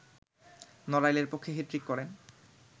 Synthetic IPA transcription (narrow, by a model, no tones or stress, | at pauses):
nɔɾajleɾpokʰːeɦetɾikːɔɾen